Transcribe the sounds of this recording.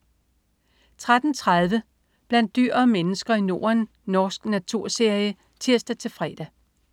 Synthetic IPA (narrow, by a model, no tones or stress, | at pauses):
t͡sʰʁad̥n̩t͡sʰʁaðˠʋə | b̥læn̰d̥̚ːyɐ̰ːmenəsɡ̥ɐino̝ːɐnː | ɒːsɡ̥næt͡sʰuɐ̰se̝ɐjə | t͡sʰiɐsd̥æt͡sʰe̝fʁɛ̰ːd̥æ